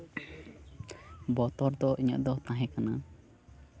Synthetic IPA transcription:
bɔt̪ɔɾd̪ɔʔiɲə̰ʔd̪ɔt̪ãɦɛ̃kana

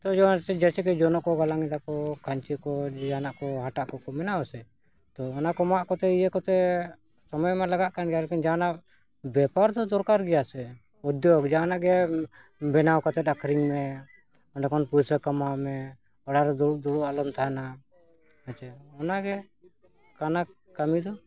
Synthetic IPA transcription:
t̪ɔd͡ʒɔt͡ʃɛd͡ʒɛt͡ʃɛkɛd͡ʒɔnɔʔkɔɡalaŋid̪akɔkʰaɲt͡ʃikɔd͡ʒanaʔkɔɦaʈaʔkɔkɔmɛnawasɛ | t̪ɔɔnakɔmaʔkɔt̪ɛijɛkɔt̪ɛ | sɔmɔjmalaɡaʔkanɡalɛkind͡ʒanaʔ | bɛpaɾd̪ɔd̪ɔɾkaɾɡɛjasɛ | ɔd̪jɔɡd͡ʒanaʔɡɛ | bɛnawkɔt̪ɛd̪akʰɾiŋmɛ | ɔnɛkɔnpuɾsəkamamɛ | ɔɽaɾɛd̪ɔud̪ɔɽuʔaləmt̪ʰaɦana | at͡ʃɛɔnaʔɡɛ | kana | kamid̪ɔ

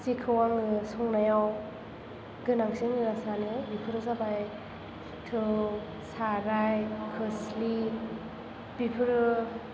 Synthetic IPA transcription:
sikʰɯwaŋɯsɔŋnajaw | ɡɯnaŋsiŋiɾasanibipʰɯɾɯsabaj | tʰɯ | saɾajkʰɯsli | bipʰɯɾɯ

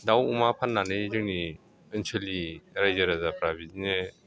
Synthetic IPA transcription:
dawumapʰanːanɯzɯŋni | ɯnsʰɯliɾajzaɾazapʰɾabizine

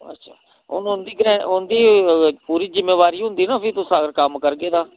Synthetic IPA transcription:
ə̰tːʃʰa̰ː | ʊ̰nʊnd̪iːɡɾɛ̃ːʊnd̪iːpuːɾiːzɪmːeːʋaːɾiːɦʊ̃nd̪iːnaːpʰit̪ʊsãːɾkəmkəɾɡeːd̪aː

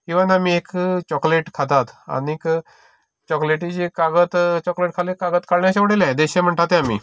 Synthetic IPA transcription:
kĩwʋanamiekt͡ɕɔkleʈkʰat̪at̪a̰nik | t͡ɕɔkleʈit͡ɕikaɡət̪t͡ɕɔkleʈ̚kʰalekaɡət̪kaɽɳjat͡ɕaʋəɽelɛ̃d̪eɕɛ̃m̤əɳʈ̪at̪ẽamḭː

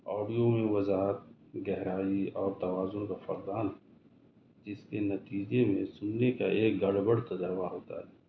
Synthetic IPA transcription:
ɔːɖijomẽwɐzaːɦət̪̚ | ɡɛɦɾaːiɔːɾt̪ɐwaːzʊnkafɐɾd̪aːn | d͡ʒɪskenɐt̪iːd͡ʒemẽsʊnːeka̰ʔeːk̚ɡɐɽbəɽt̪ɐdəɾʋaɦoːt̪a̰ɦɛː

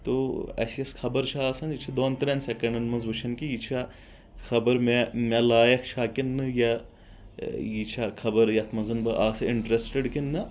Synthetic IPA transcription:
t̪oːɐ̰siɐskʰɐbɐɾt͡ʃʰaaːsɐnit͡ʃʰid̪oːnt̪ɾensekɐɳɖɐnmɐnzʋɨt͡ʃʰɐnkijit͡ʃʰa | xʰɐbɐɾmemʲelaːjɐkʰt͡ʃʰaːkinːɨja | jit͡ʃʰakʰɐbɐɾjɐt̪ʰmɐnzɐnbɨʔaːsɨɪɳʈɾesʈeɖkinːɨ

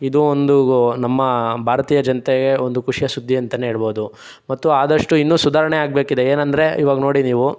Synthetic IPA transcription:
id̪uond̪unɐmːɐbʱaːɾɐt̪iːjɐd͡ʒɐnt̪eɡe̞ond̪ukuʂijɐsud̪ʱːiɐnt̪ɐneɦeːɭbo̞ːd̪u | mɐt̪ːuaːd̪ɐʂʈuinːuːsud̪ʱaːɾɐɳeaːɡ̚be̞ːkid̪eeːnɐnd̪ɐɾe̞iʋaːɡɐnoːɽiniːʋu

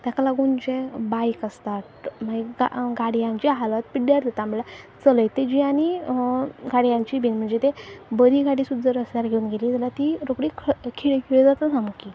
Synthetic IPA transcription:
t̪jakalaɡuːnd͡ʑebajkəst̪at̪̚m̤əɳd͡ʑeɡa̰ɡaɽijãɲt͡ɕiɦalʋat̪̚piɽjaɾd̪ʱet̪amlat͡sələjt̪ed͡ʑiaɽ̃i | ɡaɽijãɲt͡ɕiːbinm̤əɳd͡zet̪ebəd̪ʱiːɡʱaɽiːsud̪d͡zəɾəslaɾɡʱeunɡeliːt̪ɛlat̪iɾokɽiːkʰkʰiɭkʰiɭd͡zat̪əsãmuki

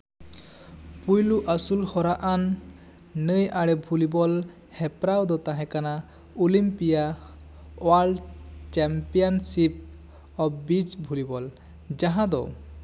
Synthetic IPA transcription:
pujluʔasulhɔɾaʔanː | əjʔaɽɛbʱulibɔl | hɛpɾawd̪ɔt̪ãɦɛ̃kana | ulimpija | walɖ | t͡ʃɛmpijɔnsip̚ | ɔbbid͡ʒbʱulibɔl | d͡ʒaɦãd̪ɔ̰

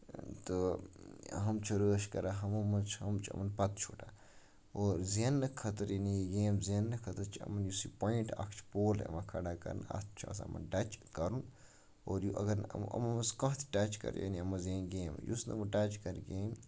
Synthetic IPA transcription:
t̪ɨ | ɦɐmt͡ʃʰɐɾəːʃkɐɾaɦɐmɐmɐt͡ʃʰɐmt͡ʃʰɐ̰mɐnpɐt̪̚t͡ʃʰuːʈa | oːɾzɐnːɐkʰɐt̪ɐɾjɐnijiɡeːmzɐnːɐkʰɐt̪ɐɾt͡ʃʰɐ̰mɐnjusipoiɳʈɐ̰kʰt͡ʃʰpoːlɐ̰makʰɐɽaːkɐ̰ɾnɐ̰t̪̚ʰt͡ʃʰa̰ːsɐmɐ̰nɖɐt͡ʃkɐɾũn | oːɾjuʔɐɡɐɾmɐ̰mɐɐskɐ̃ɦt̪ʰʈɐt͡ʃʰkɐ̰ɾjɐ̰niɐmɐzeːnɡeːmjṵsnɐmɐʈɐt͡ʃkɐɾɡeːm

